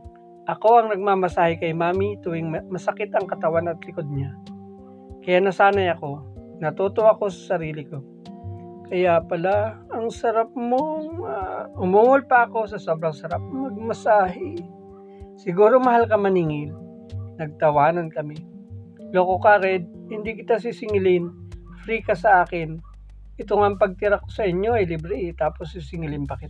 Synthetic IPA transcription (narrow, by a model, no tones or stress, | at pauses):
ʔɐko̞ʔɐŋnɐɡ̚mamɐsaːhɛkɐjmaːmit̪uwɪŋmmɐsɐkɪt̪ɐŋkɐt̪ɐwanɐt̪lɪkod̪̚ɲa | kɐjaʔnɐsaːnɐjɐko̞nɐt̪oːt̪oʔɐko̞sɐ̥sɐɾiːlɪko̞ | kɐjapɐlaɐŋsɐɾap̚moŋaʊmuːŋolpɐʔɐko̞sɐso̞bɾɐŋsɐɾap̚mɐɡ̚mɐsaːɦɛ | sɪɡuːɾomɐɦalkɐmɐniːŋɪl | nɐɡ̚t̪ɐwaːnɐnkɐmɛ | lokokaɾɛd̪̚ | hɪnd̪ikɪt̪as̬isɪŋɪlɪn | fɾikɐsɐʔaːkɪn | ʔɪt̪oŋaɐŋpɐɡ̚t̪ɪɾakosɐʔɪɲo̞ɐjlibɾɪʔɪt̪aːposːisɪŋɪlɪnpɐkɪt̪a